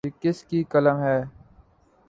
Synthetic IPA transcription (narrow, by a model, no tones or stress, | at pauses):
ikɪskikələmɦɛː